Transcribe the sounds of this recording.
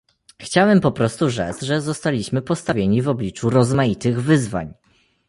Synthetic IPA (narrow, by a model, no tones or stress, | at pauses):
xt͡ɕawɛmpɔpɾɔst̪uʐɛ̰t̪sʐɛzɔst̪alʲiɕmɘpɔst̪avʲjeɲivɔblʲit͡ʂuɾɔzmajit̪ɘɣvɘzva̰ɲ